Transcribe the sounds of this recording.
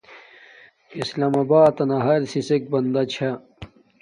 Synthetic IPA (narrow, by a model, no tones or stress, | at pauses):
islaːmɐbaːt̪ɐnɐɦɐɾsisek̚bɐnd̪ɐt͡ɕʰɐ